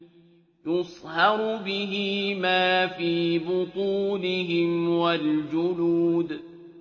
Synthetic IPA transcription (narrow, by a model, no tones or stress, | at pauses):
jʊsˤhɑɾʊbɪɦɪmaːfiːbʊt̪ˤuːlɪɦɪmwald͡ʒʊluːd̪